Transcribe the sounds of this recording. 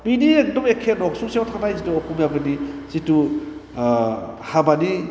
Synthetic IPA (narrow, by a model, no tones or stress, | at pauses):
biniek̚dɔmekʰenɔksuŋsiatʰanajzituɔkʰumjaɡɯnizitu | habani